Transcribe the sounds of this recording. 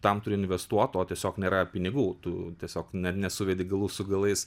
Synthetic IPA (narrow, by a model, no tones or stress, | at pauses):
t̪ɐmt̪ʊɾʲɪɪnʲʋʲɛst̪uɔt̪oːt̪ʲiɛsʲoːknʲeːɾɐpʲɪnʲɪɡuːt̪ʊt̪ʲiɛsʲoːknʲɛt̪nʲɛsʊʋʲɛd̪ʲɪɡɐlˠuːsʊɡɐlˠɐɪs